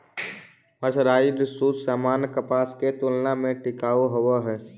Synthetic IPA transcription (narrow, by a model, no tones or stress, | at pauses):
məsɾaːid̪ɪsuːsaːmaːnkəpaːsket̪ʊlnamẽʈɪkaːoɦəwaɦɛː